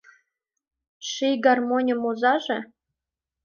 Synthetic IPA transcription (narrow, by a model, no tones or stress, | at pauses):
ʃijɡɑrmonʲə̆mozɑʒĕ